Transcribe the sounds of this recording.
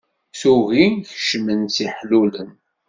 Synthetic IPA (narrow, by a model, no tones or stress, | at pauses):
suɣinçʃmənt͡siħlulən